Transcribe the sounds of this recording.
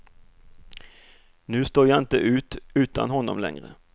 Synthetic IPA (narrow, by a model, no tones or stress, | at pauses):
nʉːst̪oːʁjɑɪnt̪əʔʉːt̪ʉːt̪ʰa̰nhɔnːɔmlɛ̰ŋʁə